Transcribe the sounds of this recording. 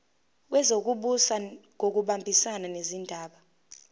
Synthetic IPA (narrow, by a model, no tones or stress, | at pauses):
k̬wɛzok̬uɓusaŋʱok̬uɓambʱisananezindʱaːɓa